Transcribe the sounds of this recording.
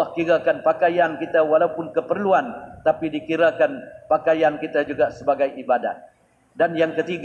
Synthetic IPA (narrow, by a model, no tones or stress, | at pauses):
ahkiɾakanpakajankit̪awalaupʊnkəpərluant̪apidikiɾakanpakajankit̪ad͡ʒuɡasəbaɡajibada̰t̪̚ | danjaŋkət̪iɡ